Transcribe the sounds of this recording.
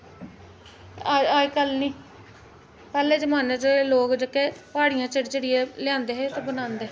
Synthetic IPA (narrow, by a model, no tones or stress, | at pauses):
aːikəlnĩː | pɛːleːd͡ʒəmaːnet͡ʃeloːkd͡ʒəkːeːpaːɽijãːt͡ʃəɽt͡ʃəɽɪeːlɪãːnd̪eːɦeːt̪ãːbənãːnd̪eː